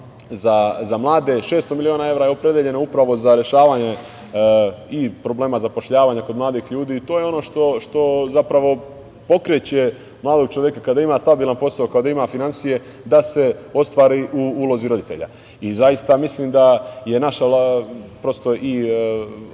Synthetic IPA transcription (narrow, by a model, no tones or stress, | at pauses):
zazamlˠaːd̪e̞ʃeːst̪o̞milio̞ːnae̞vɾaːjeo̞pɾed̪jeʎe̞noupɾaʋo̞zaɾje̞ʃaːʋaːɲe̞ | ipɾo̞ble̞ːmazapo̞ʃʎaːʋaːɲako̞d̪mlˠaːd̪iːxʎuːd̪iːt̪o̞ːjeo̞no̞ːʃt̪o̞ʃt̪o̞zapɾaʋo̞ | po̞kɾet͡ɕe̞ | mlˠaːd̪o̞ɡ̚t͡ʃo̞jekakad̪aimaːst̪abiːlˠanpo̞saokaod̪aimafinansije̞ | d̪ase̞o̞st̪ʋaːɾiʔuulˠo̞ziɾo̞d̪it̪e̞ʎa̰ | izajist̪amisliːmd̪aje̞naʃalapɾo̞st̪o̞ʔi